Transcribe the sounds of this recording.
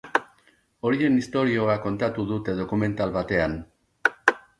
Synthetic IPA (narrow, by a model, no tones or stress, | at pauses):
o̞ɾie̞nist̪o̞ɾio̞ako̞nt̪at̪uðut̪e̞ð̞o̞kume̞nt̪alβat̪e̞an